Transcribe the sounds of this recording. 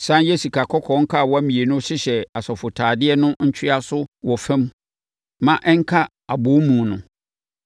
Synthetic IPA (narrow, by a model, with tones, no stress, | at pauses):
sã˦je˦su˨kʰa˨kʰɔ˦kʰɔ̃˨˦ŋ̩˦kʰa˦˨wɔ˦æ˦mĩ˨e˨nʊ̃˦ɕɪ˦ɕɛ˨a˨sɔ˨fʊ˨tʰaː˨dɪ˦ɛ˦nʊ̃˦ɲ̩˦t͡ɕʰᶣɪ˦a˦sʊ˦wɔ˨fɛ̃˦m | mã˨ʔɛ˦ŋ˦kʰa˦ | a˨bʊ˨˦mũː˨nʊ̃˨